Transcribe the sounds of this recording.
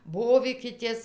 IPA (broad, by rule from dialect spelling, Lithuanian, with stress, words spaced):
ˈboːʋʲiːkʲɪtʲeːs